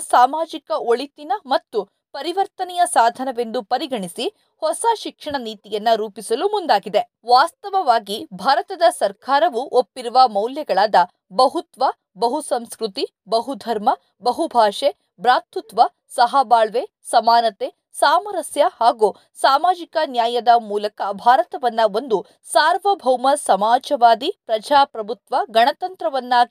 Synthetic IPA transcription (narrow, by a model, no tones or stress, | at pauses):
saːmaːd͡ʒikɐoɭit̪inɐmɐt̪ːu | pɐɾiʋɐɾt̪ɐnɛjɐsaːd̪ʱɐnɐʋe̞nd̪upɐɾiɡɐɳisi | hɔsɐʃikʂɐɳɐniːt̪ijɐnːɐɾuːpisɐlumund̪aːɡid̪e | ʋaːst̪ɐʋɐʋaːɡibʱaːɾɐt̪ɐd̪ɐsɐɾkaːɾɐʋuʔopːiɾuʋɐmɐwljɐɡɐɭaːd̪ɐ | bɐɦut̪ʋɐ | bɐɦusɐmskɾut̪i | bɐɦud̪ʱɐɾmɐ | bɐɦubʱaːʂe | bɾaːt̪ut̪ʋɐ | sɐɦɐbaːɭʋeː | sɐmaːnɐt̪eː | saːmɐɾɐsjɐhaːɡu | saːmaːd͡ʒikɐnjaːjɐd̪ɐmuːlɐkɐbʱaːɾɐt̪ɐʋɐnːɐo̞nd̪u | saːɾʋɐbʱɐwmɐsɐmaːd͡ʒɐʋaːd̪ipɾɐd͡ʒaːpɾɐbʱut̪ʋɐɡɐɳɐt̪ɐnt̪ɾɐʋɐnːɐ